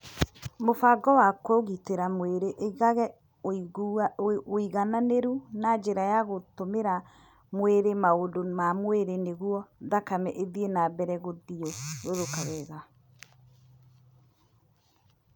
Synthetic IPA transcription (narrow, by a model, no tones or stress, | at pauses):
mofaɡɔwakoɣiteɾamweɾeʔɣaɣɛ | iɣananeɾunad͡ʒeɾajaɣotomeɾa | mweɾemaondomamweɾeneɣwɔðakamɛʔeðienabɛɾɛɣoðiɔɾoðokaɣɛɣa